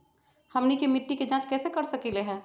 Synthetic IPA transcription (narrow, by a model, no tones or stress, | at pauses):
hɐmnikemɪʈːiked͡ʒãːt͡ʃkɛːsekɐɾsɐkileɦɛ̃ː